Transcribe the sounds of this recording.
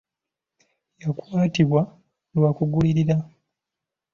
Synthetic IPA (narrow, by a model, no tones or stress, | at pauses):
jakwaːtiβwa | lwakuɡuliɾiɾa